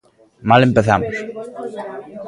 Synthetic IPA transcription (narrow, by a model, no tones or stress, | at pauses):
malempeθamʊs